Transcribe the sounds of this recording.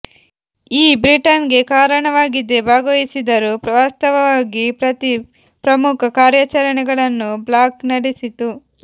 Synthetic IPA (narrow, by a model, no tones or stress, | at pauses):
iːbɾiʈɐnɡe̞kaːɾɐɳɐʋaːɡid̪e̞baːɡɐʋisid̪ɐɾupʋaːst̪ɐʋɐʋaːɡipɾɐt̪i | pɾɐmukʰɐkaːɾjat͡ʃɐɾɐɳɛɡɐɭɐnːublaːknɐɽisit̪u